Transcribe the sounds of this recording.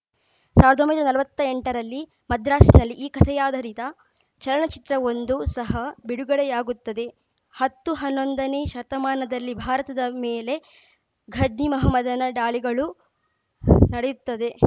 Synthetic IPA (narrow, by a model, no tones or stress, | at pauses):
saːʋɾɐd̪ombɐjd̪ɾɐnɐlɐʋɐt̪ːɐeɳʈɐɾɐlːi | mɐd̪ɾaːsinɐlːiʔiːkɐt̪ʰɛjaːd̪ʱɐɾit̪ɐ | t͡ʃɐlɐɳɐt͡ʃi̥t̪ɾɐo̞nd̪usɐɦɐbiɽuɡɐɽɛjaːɡut̪ːɐd̪e̞ | hɐt̪ːuɦɐnːond̪ɐneːʃɐɾt̪ɐmaːnɐd̪ɐlːibʱaːɾɐt̪ɐd̪ɐmeːle̞ | ɡʱɐd͡ʒnimɐɦɐmɐd̪ʱɐnɐɖaːɭiɡɐɭu | nɐɽejut̪ːɐd̪e̞